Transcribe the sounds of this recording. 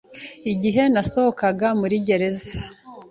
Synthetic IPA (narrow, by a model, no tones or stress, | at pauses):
iɟiɦe̞naso̞ho̞kaɡamuɾiɟe̞ɾe̞za